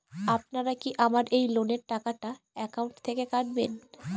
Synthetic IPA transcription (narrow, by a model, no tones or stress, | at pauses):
ap̚naɾakiʔamaɾʔejloneɾʈakaʈa | ɛkawɳʈt̪ʰekekaʈben